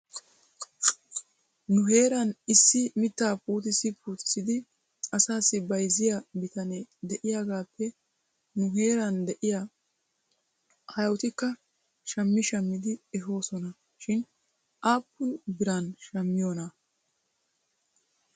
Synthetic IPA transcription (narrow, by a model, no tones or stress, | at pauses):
nʊɦe̞ːɾɐnɪsːɪmɪt̪ːaːpuːt̪̬ɪsɪpʰuːt̪ɪsɪd̪ɪ | ɐsaːsːɪbɐjzɪjabɪt̪ɐnɛd̪ɛʔɪjaɡaːpːɛ | nʊɦe̞ːɾɐnd̪ɛʔɪja | hɐjwʊt̪ɪkːɐ | ʃɐmːɪʃɐmːɪd̪ɪɛɦo̞ːsɔnɐ | ʃɪn | ʔaːpːʊnbɪɾɐnʃɐmːɪjoːnɐ